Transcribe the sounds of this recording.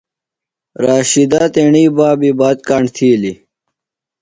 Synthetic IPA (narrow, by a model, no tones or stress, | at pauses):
ɾaːɕid̪aːt̪eɳiːbaːbibaːt̪̚kaːɳt̪ʰiːli